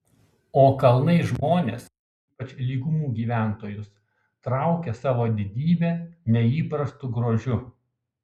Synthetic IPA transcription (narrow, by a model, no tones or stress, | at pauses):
oːkɐlˠnɐɪʒmoːnʲeːs | iːpɐt͡ʃʲlʲiːɡʊmuːɡʲiːʋʲæˑnˑt̪oːjʊs | t̪ɾɑˑʊkʲɛsɑːʋoːd̪ʲɪd̪ʲiːbʲeːnʲɛiːpɾɐst̪ʊɡɾoːʒʲʊ